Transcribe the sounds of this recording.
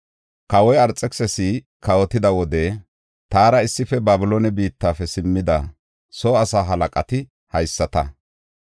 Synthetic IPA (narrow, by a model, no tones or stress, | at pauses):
kɐwɔjɐɾt͡sʼːɛksɛsi | kɐwɔt̪ɪd̪ɐwɔd̪ɛ | t̪aːɾɐɪsːɪfɛbaːbɪloːnɛbiːt̪ːaːfɛsɪmːɪd̪ɐ | soːɐsaːɦɐlɐkʼɐ̰t̪ɪ | hɐjsːɐt̪ɐ